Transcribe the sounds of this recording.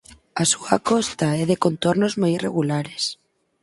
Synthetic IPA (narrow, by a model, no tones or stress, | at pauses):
asua̰kost̪aeðe̞ko̞nt̪oɾno̞zmojireɣulaɾes